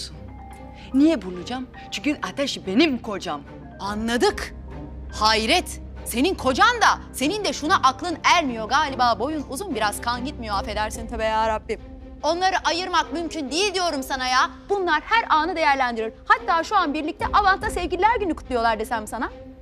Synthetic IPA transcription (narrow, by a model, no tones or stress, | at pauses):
n | nijɛbulˠud͡ʒam | t͡ʃʰyɲcyʔat̪ʰɛʃbe̞nimkʰo̞d͡ʒam | anlˠad̪ɯk | haiɾɛt̪se̞ninkʰo̞d͡ʒand̪ase̞nind̪ɛʃunaʔaklˠɯnælʲmijo̞ɡaːlʲibaːbo̞junuzunbiɾaz̥kʰanɟit̪mijo̞afe̞d̪æɾsint̪ʰabejaːɾabːim | o̞nlˠaɾɯʔajɯɾmak̚mymcʰynd̪ijilʲd̪ijo̞ɾumsanajaːb̥unlˠaɾhæɾaːnɯd̪e̞jæɾlʲænd̪iɾiɾhat̪ːaːʃuanbiɾlʲic̚t̪ʰɛʔavant̪ʰasevɟilʲilʲæɾɟynykʰu̥t̪lˠujo̞lˠaɾd̪esænmsana